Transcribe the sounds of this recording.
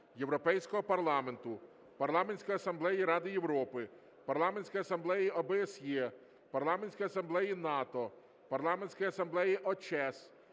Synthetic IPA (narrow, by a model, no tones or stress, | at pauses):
jewɾɔpɛjsʲkɔɦɔpɐrlˠɑme̞nt̪ʊ | pɐrlˠɑmenʲsʲkɔjɐsɐmblˠɛjiɾɑd̪ɪjewɾɔpɪ | pɐrlˠɑmenʲsʲkɔjɐsɐmblˠɛjiɔbɛesje | pɐrlˠɑmenʲsʲkɔjɐsɐmblˠɛjinɑt̪ɔ | pɐrlˠɑmenʲsʲkɔjɐsɐmblˠɛjiʔɔt͡ʃɛs